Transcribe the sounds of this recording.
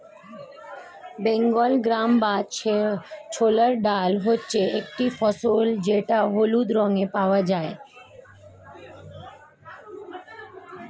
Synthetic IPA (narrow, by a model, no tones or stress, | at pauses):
bẽŋɡɔlɡɾambat͡ʃʰet͡ʃʰoːləɾɖaːlɦot͡ʃeek̚ʈifʰɔsold͡ʒeʈaɦolud̪ɾɔ̃ŋepaʋad͡ʒaːe